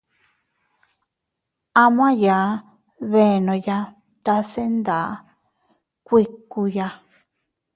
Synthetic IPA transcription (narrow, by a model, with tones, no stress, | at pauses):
a˧m̃˦ã˦ja˨˦ | βe˧˨nõ˧ja˧ | t̪a˧se˦nd̪a˨˦ | kʷi˧ku˧ja˧